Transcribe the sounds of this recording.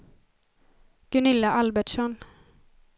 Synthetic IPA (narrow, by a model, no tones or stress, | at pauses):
ɡ̥ɵnɪlːaʔalbɛʈʂɔn